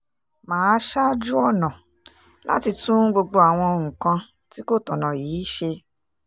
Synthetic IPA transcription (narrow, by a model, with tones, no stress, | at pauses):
mãː˨˦ʃa˦d͡ʒu˦ɔ˦˨nã˨ | la̰˦ti˧tũ˦ɡ͡bo˧ɡ͡bo˧a˨w̃ɔ̃˧o˧ŋ̩̃˨kã˧ | ti˦ko˦˨tɔ̃˨nã˨jiː˨˦ʃe˧